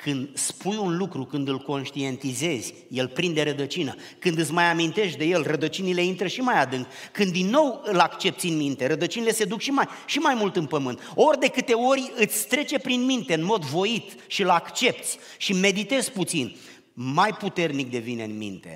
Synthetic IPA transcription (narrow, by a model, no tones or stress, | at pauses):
kɨnd̪spujunlukɾukɨnd̪ɨlko̞nʃt̪ie̞nt̪ize̞z̥ʲ | je̞lpɾind̪e̞ɾəd̪ət͡ʃinə | kɨnd̪ɨt̪s̬ʲmajamint̪e̞ʃt̪̚d̪e̞je̞lrəd̪ət͡ʃinile̞int̪ɾəʃimajad̪ɨŋkkɨnd̪inːo̞wɨlakt͡ʃe̞p̚t̪sʲɨnmint̪e̞ɾəd̪ət͡ʃinile̞sed̪ukʃimajʃimajmult̪ɨnpəmɨnt̪o̞rʲd̪e̞kɨt̪e̞o̞rʲɨt̪sʲst̪ɾe̞t͡ʃe̞pɾinmint̪e̞ɨnmo̞d̪vo̞it̪ | ʃiɨlakt͡ʃe̞p̚t̪sʲ | ʃime̞d̪it̪e̞zput̪sin | majput̪e̞rnik̚d̪e̞vineɨnmḭnt̪e̞̰